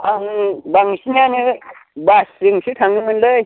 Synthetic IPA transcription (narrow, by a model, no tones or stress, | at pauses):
aŋbaŋsiɲani | basiŋsʰitʰaŋimənləj